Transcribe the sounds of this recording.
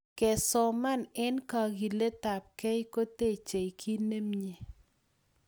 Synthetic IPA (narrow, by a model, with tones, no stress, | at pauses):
kɛ˨sɔ˨ma˦nɛ˦nka˨ɡi˨le˦t̪a˨p̚kɛ˦jko˦t̪e˦˨t͡ʃe˨jkʰi˦ne˦mɲe˨